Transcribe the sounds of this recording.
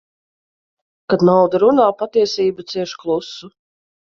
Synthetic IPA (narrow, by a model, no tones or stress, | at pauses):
kad̪nawd̪aɾunaːpat̪iɛsiːbat̪siɛʃklˠusu